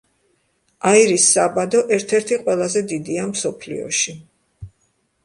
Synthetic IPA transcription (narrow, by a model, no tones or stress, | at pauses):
aiɾisːabad̪ɔʔɛɾt̪ʰɛɾt̪ʰiqʼwɛlˠazɛd̪id̪iamsɔpʰlḭɔ̰ʃi